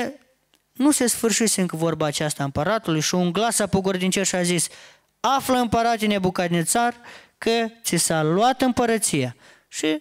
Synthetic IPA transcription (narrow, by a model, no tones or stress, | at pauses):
nuse̞sfɨrʃiseɨŋkəvo̞rbaːt͡ʃast̪aɨmpəɾat̪ulujʃiuŋɡlasapoɡord̪int͡ʃerʃiazis | afləɨmpəɾat̪ine̞bukat̪net̪sarkət̪sisalwat̪ɨmpəɾət̪sija | ʃi